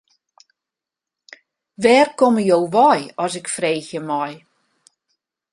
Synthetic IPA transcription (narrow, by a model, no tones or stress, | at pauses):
ʋɛːrkoməjowʋɔjɔsɪkfreːxjəmɔj